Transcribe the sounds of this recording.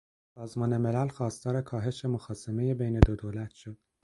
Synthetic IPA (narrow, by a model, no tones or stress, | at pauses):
sɒːzmɒːne̞me̞lælxɒːst̪ɒːɾe̞kʰɒːɦe̞ʃe̞moxɒːseme̞jebejne̞d̪od̪oːlæt̪ʰʃod̪̥̚